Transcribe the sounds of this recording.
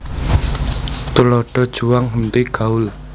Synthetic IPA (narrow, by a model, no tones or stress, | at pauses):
t̪ulɔɖ̥ɔ̤d̥ʒ̥ṳwaŋɦənt̪iɡ̥äʊl